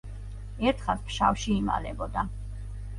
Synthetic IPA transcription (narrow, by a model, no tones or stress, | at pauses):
ɛɾt̪ʰχaspʰʃa̰fʃiːma̰lɛbɔd̪a